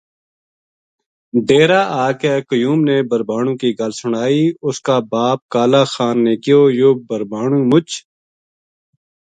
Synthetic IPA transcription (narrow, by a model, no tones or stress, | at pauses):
ɖeːɾaːʔaːkɛːkəjuːmneːbəɾbaːɳ̃ũːkiɡəlsʊɽaːiːʊskaːbaːp̚kaːlaːxaːnːeːkɪjoːjoːbəɾbaːɳ̃ũːmʊt͡ʃ